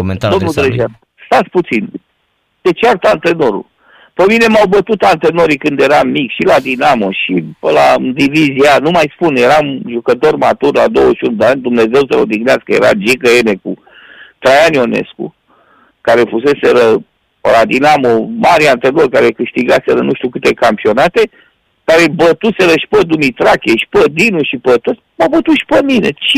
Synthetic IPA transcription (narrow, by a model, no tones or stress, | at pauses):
mend̪d̪onud̪ɾəʒan | st̪at̪sʲput̪sin | t̪e̞t͡ʃeart̪ant̪ɾeno̞ɾṵl | pəmine̞mawbət̪ut̪ant̪ɾeno̞ɾikɨnd̪je̞ɾamːikʃilad̪inamoʃipəlad̪ivizianumajspunje̞ɾamʒukət̪o̞rmat̪urlad̪o̞wəʃiunud̪eanʲd̪umne̞ze̞wsəlo̰d̪iɡneaskəje̞̰ɾa̰d͡ʒikəene̞ku | t̪ɾajanio̞ne̞̰skṵ | kaɾe̞fuse̞seɾə | pə̰lad̪inamomaɾiant̪ɾenorkaɾe̞kɨʃt̪iɡaseɾənuʃt̪ukɨt̪e̞kampio̞nat̪e | kaɾe̞bət̪use̞ɾəʃi̥pəd̪umit̪ɾakʲeʃi̥pəd̪inuʃipət̪ut̪ | mabət̪uʃi̥pəminḛt͡ʃ